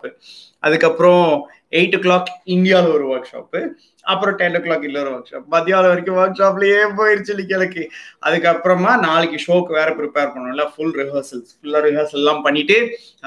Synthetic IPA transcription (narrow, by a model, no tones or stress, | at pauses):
pɯ | ʔɐðɯkːɐpːɯɾõ | eɪʈːɯklaːkːɪɳɖɪjaːlɐɔɾɯʋɐɾkʂa̰ːp | ɐpːɯɾõʈɛnklaːkɪlːɐɔɾɯʋɐɾkʂa̰ːpmɐd̪ɪjaːlɐʋɐɾɪkːɯ̃ʋɐɾkʂaːp̬ɪlɐeːpoːjɪɾɯt͡ʃːɪlːɪkːɛlɐkːɯʔɐðɯkːɐpːɯɾɐmaːnaːɭɯkːɯʂoːkːʋeːɾɐpɾɪpeːɾpɐɳːʊ̃ɪlːaːfʊlɾɪʋɐɾsɐlsfʊlːɐɾɪʋɐːɾsɐlɛlːãːmpɐɳːɪʈːɯ